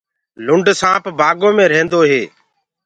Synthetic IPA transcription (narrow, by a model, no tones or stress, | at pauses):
lʊɳɖsãːpbaːɡõːmẽːɾẽːnd̪oːɦeː